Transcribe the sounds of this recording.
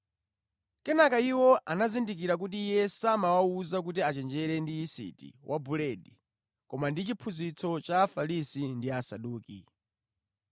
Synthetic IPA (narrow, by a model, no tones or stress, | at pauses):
kɛnakaiwɔʔanazindik̬iɾak̬utiːjɛsamawauzak̬ut̬iat͡ʃɛnd͡ʒɛɾɛndiisḭtḭwʔabulɛɗi | kɔmandit͡ʃipʰuzit͡sʰɔt͡ʃaːfalisindiasaɗuːki